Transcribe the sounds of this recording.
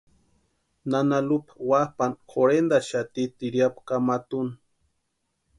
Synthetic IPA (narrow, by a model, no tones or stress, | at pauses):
nanalupḁwapankʰoɾend̪aʃat̪it̪iɾjapkamat̪un